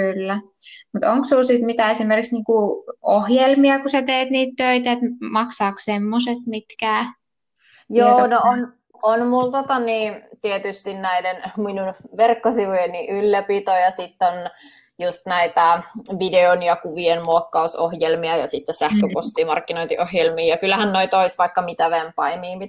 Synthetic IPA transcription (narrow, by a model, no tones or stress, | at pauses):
kylːæ | mut̪oŋksulsit̪mit̪æːesimerkiksniːŋkuʔohjelmiɑkusæt̪eːt̪niːt̪t̪øit̪æet̪mɑksɑːkssemːoset̪mit̪kæː | joːnoon | onmult̪ot̪ɑniːnt̪iet̪yst̪innæidenminunʋerkːosiʋujeniʔylːæpit̪ojɑsit̪ːon | just̪næit̪æʋideonjɑkuʋienmuokːɑuso̰hjelmiɑjɑsit̪ːesæhkøpost̪iːmɑrkːinoint̪ḭʔohjelmiːjɑkylːæhænnoit̪oisʋɑikːɑmit̪æʋempɑimiːmit̪